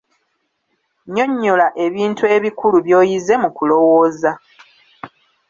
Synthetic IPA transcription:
ɲo̞ɲːo̞laʔe̞βiːntue̞βikuluβjo̞ːjize̞mukulo̞woːza

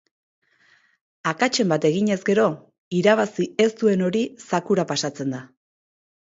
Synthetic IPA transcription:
akat͡ʃe̞mbat̪e̞ɣiɲe̞zɡe̞ɾo̞ | iɾaβ̞asie̞st̪ue̞no̞ɾisakuɾapasat͡se̞nd̪a

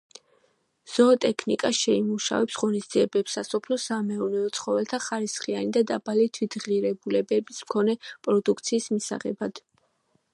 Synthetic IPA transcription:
z̥ɔt̪ʼɛkʰnikʼaʃɛimuʃa̰vɛpsʁɔnisd̪z̥iɛbɛpsasɔpʰlɔsamɛɔnɛɔt̪sʰχɔvɛlt̪ʰaχaɾisχianid̪ad̪abalit̪ʰwit̪ʰʁiɾɛbulɛbɛbismkʰɔnɛpʼɾɔd̪ukʰt̪sʰiːsmisa̰ʁɛ̰bad̪̥

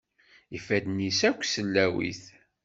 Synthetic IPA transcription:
ifæd̪nisækʷːsəlːæwḭθ

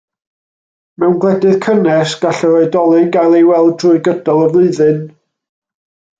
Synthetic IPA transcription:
mɛwnɡlˠɛdɨð̥kʰənɛsɡ̥aɬɔɾoɨdɔlˠɨnɡajlˠejwɛlˠdrʊɨɡədɔlˠəvlˠɨðɨn

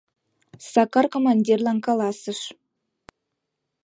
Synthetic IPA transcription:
sɑkɑrkomɑnʲdʲirlˠɑnkɑlˠɑsə̆ʂ

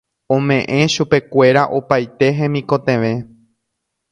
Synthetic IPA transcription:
õ̞mẽ̞ʔẽ̞ʃupe̞kʷe̞ɾaʔopajt̪e̞ɦẽ̞mĩkõ̞t̪ẽ̞ʋẽ̞

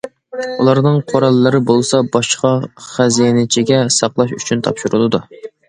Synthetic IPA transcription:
ulˠɑɾnɨŋqʰoɾɑlˠːɨɾɨbolˠsɑbɑʃqɑχæzijenɪt͡ʃʰiɡʲɛsɑqlˠɑʃyt͡ʃʰynt̪ʰɑ̰pʃuɾulˠɨd̪u

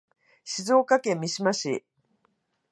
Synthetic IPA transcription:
ɕizo̞ːkakẽ̞mʲːiɕimaɕḭ

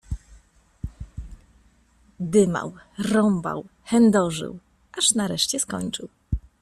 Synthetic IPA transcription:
d̪ɘma̰wɾɔmba̰wxɛnd̪ɔʐɘ̰w | ʔaʂnaɾɛʂt͡ɕɛskɔ̰ɲt͡ʂɘ̰w

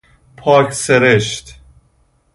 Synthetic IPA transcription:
pʰɒːkʰseɾeʃt̪

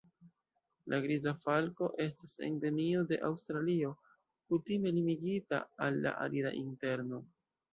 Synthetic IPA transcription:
lʔaɡɾizafalko̞ʔe̞s̬tasḛnde̞mio̞de̞ʔawstɾalio̞ | kutime̞limiɡita̰alːa̰ʔa̰liɾa̰ʔinte̞ɾno̞

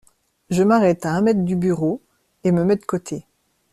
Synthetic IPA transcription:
ʒəmaʁɛt̪aɛ̃mɛt̪χd̪ybyʁo | eməmɛd̪əkot̪ʰe

